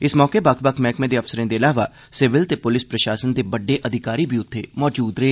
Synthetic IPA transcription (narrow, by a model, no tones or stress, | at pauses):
ɪsmɔːkebəkʰbəkʰmɛːkmẽːd̪eːəpsəɾẽːd̪eːəlaːʋaː | sɪʋɪlt̪eːpʊlɪspɾəʃaːsənd̪eːbəɖːeːʔəd̪ʱɪkaːɾiːbʱiːʊt̪ʰːeːmɔːd͡ʒuːd̪ɾeː